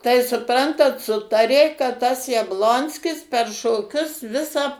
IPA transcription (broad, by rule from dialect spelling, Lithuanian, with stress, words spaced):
tɐɪ sʊˈprɐntɐt ˈsʊtɐrʲeː kɐt tɐs jɛbˈlˠoːnʲsʲkʲɪs pʲɛr ʃoːˈkʲʊs ˈʋʲɪsɑː